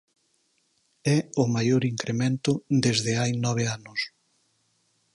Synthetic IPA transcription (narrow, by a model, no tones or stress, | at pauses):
ɛʊmajoɾiŋkɾemẽnt̪ʊd̪ezðɪajnɔβ̞eanʊs